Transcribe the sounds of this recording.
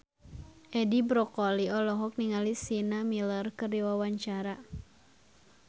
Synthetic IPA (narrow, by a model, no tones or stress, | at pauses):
ʔɛdibɾɔkɔliɔlɔɦɔk̚niŋalisinamilərkəriwawaɲt͡ʃaɾa